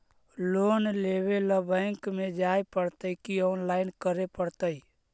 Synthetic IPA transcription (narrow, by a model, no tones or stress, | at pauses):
loːnleʋeləbəɪŋkmed͡ʒaepəɽt̪əikiɔːnlaːɪnkəɾepəɽt̪əi